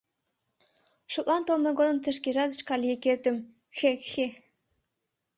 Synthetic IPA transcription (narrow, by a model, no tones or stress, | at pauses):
ʃut̪lˠɑnt̪olˠmeɡonə̆mt̪ə̆ʃ̬keʒɑd̪ə̆t͡ɕkɑlʲijeket̪ə̆m | xexe